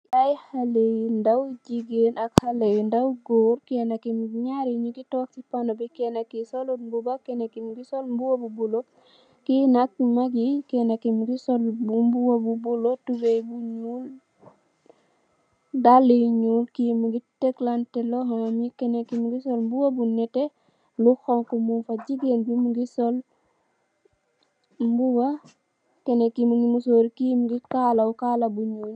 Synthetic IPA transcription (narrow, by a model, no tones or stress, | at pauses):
ajhalendawud͡ʒiɡenakhalejndawuɡoɾkenakimuɡiɲaɾiɲukitɔːk̚sipanɔbikɛnakisɔlombubakenakimɡisɔlmbuwabubulo | kinak̚ːimaɡikɛnakimuɡisɔlumbuwabubulotuɡejbuɲul | dalijɲuːlkimuɡitɛklantɛlɔɦɔŋmjikɛnekimuɡisɔlmbuwɐbunɛte | luxɔŋkɔmunfɐɟiɡenbumuɡisɔl | mbuwa | kɛnekimuŋɡimusoːɾikimuɡikalaukalɐbuɲuːl